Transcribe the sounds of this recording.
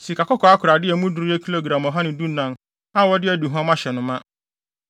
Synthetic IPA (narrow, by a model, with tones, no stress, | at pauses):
si˨kʰa˨kʰɔ˦kʰɔ˨a˦kʰʊ˨ɾa˨dɪ˦ɛ˨mũ˦dʊ˨ɾi˦jɛ˦kʰi˦lo˨ɡɾã˨mɔ˨ɦa˦nɪ̃˨du˦nã˨n | a˦wɔ˦dɪ˦æ˦du˨ɦã˦mã˦ɕɛ˨nʊ̃˨mã˦